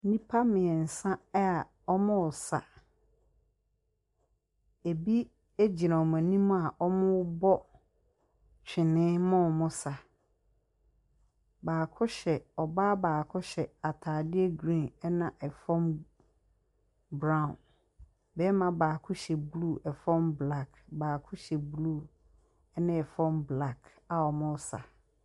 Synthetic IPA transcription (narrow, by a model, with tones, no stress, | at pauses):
nĩ˦pʰa˦mɪ̃˨ɛ˨n̩˨sã˦ɛ˦a˨ | ɔ˦mʊ̃˦ɔ˨sa˨ | e˨bi˦ | e˦d͡ʑi˨ã˨ɔ˨m˨æ̃˨nĩ˦mʊ̃˦a˨ʔɔ˦mʊ̃˦bɔ˦ | t͡ɕᶣʰɪ˨nɪ̃˦mʊ̃˦˨mʊ̃˦sa˨ | baː˨kʰʊ˦ɕɛ˨ɔ˨baː˦baː˨kʰʊ˦ɕɛ˨a˨tʰaː˨dɪ˦ɛ˦ɡɾĩ˦˨ɛ˦nã˨ʔɛ˨fɔ̃˦m | bɾã˦˨ʊ̃˨n | bɛ˦mã˨baː˨kʰʊ˦ɕɛ˨bluː˦˨ʔɛ˨fɔ̃˦mbla˦˨kbaː˨kʰʊ˦ɕɛ˨blu˦˨ | ɛ˦nã˦ɛ˨fɔ̃˦mbla˦˨kʰ | a˨ɔ˨mʊ̃˦sa̰˨